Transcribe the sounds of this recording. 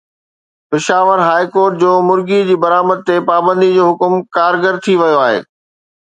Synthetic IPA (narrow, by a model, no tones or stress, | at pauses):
pɪʃaːʋəɾɦaːikoːɾʈ̚d͡ʑoːmʊɾɡid͡ʑiːbɐɾaːməd̪̚t̪epaːbə̃nd̪id͡ʑoːɦʊkmkaːɾɡəɾt̪ʰiʋɐjoaːɦḛː